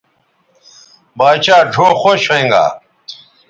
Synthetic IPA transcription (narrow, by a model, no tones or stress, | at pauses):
baːt͡ɕaːɖʱoːxoɕeŋɡa̰ː